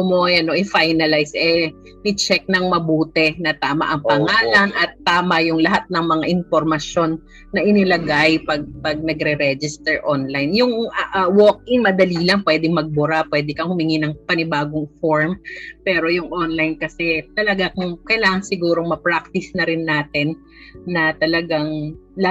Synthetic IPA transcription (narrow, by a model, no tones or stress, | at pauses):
ʊmoɐnoʔɪfajnɐlajsʔɛ | mɪt͡ʃɛk̚nɐŋmɐbuːt̪ɛnɐt̪aːmɐ̰ʔɐŋpɐŋaːlɐnʔɐt̪ːaːmɐjʊŋlɐɦat̪̚nɐŋmɐŋaʔɪnfoɾmɐsjo̞nː | ɐʔɪnɪlɐɡajpɐɡ̚pɐɡ̚nɐɡɾɛɾɛd͡ʒɪst̪ɛɹʔonlajnjʊŋʔwok̚ʔɪŋmɐd̪ɐliːlɐŋpwɛd̪ɪŋmɐɡ̚bʊɾapwɛːd̪ɛkɐŋhʊmɪŋɪnɐŋpɐnɪbaːɡoŋfoɹmpɛːɾo̞jʊŋʔonlajnkɐsɛt̪ɐlɐɡakʊŋkɐjlaːŋɐŋsɪɡuːɾoŋmɐpɹak̚t̪ɪsnɐɾɪnːaːt̪ɛnː | ɐt̪ɐlɐɡaŋl